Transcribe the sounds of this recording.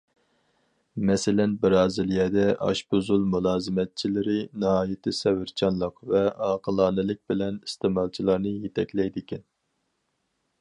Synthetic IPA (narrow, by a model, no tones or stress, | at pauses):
mɛsɪlɛnbɨɾɑːzɪlijɛd̪ɛʔɑ̰ʃbuzulˠmulˠɑːzɨmɛt̪̚t͡ʃʰilɪɾɪnɨhɑːjɪt̪ʰɪsɛwɪɾt͡ʃʰɑnlˠəqvɛɑːqʰəlˠɑːnɨlɪk̚ʲbɪlɛnist̪eːmɑlˠt͡ʃʰilˠɑɾnɨjet̪ʰɛkʲlɛjd̪ɪkʲɛn